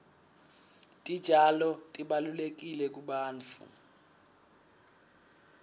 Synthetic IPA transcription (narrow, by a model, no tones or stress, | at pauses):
tʼid̥ʒ̥ʱalɔtʼiɓalulek̬ilɛk̬ʼuɓaːnt͡fʰṵ